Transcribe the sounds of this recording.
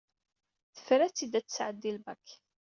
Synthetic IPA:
θə̥fɾæt͡sːid̪æt͡sːə̥sʕəd̪ːilbækː

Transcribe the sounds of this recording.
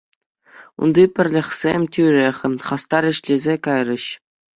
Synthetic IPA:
ṵnd̪ipʲɘ̆rʲlʲɘ̆xʲsʲemʲtʲyɾʲeχʲɘ̆χɑst̪ɑɾʲɘ̆ɕlʲezʲekɑjrɤ̆ɕ

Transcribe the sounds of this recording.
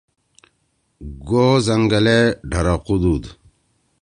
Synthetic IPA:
ɡoːzɐŋɡɐleɖʱɐɾaqud̪uːd̪

